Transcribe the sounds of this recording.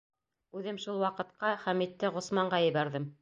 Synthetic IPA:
ʉðɘmʃulˠwɑqɤ̆t̪̚qɑχæmit̪ːɘʁŏsmɑɴɢɑjɤ̆βæɾðɘm

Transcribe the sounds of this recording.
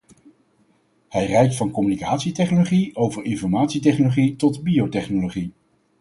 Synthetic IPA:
hɛjrɛjk̚tfɑnkɔmynikaːtsitɛχnoloχiowvəɹɪnfɔɹmaːtsitɛχnoloχitɔdbijowtɛχnoloχi

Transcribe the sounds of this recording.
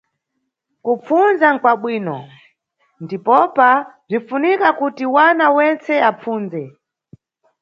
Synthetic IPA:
kup͡funzaŋkwaɓwiːnɔ | ndipɔpab͡ʐinfunikakutiwanawɛnt͡sɛap͡fuːnzɛ

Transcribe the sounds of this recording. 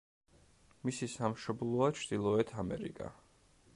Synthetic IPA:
misisamʃɔblˠɔat͡ʃʰɾd̪̥ilˠɔɛt̪ʰamɛ̰ɾḭkʼa̰

